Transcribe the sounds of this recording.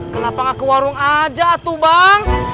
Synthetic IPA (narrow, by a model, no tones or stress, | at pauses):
kənapaŋakuwaɾuŋad͡ʒaːt̪ubaŋ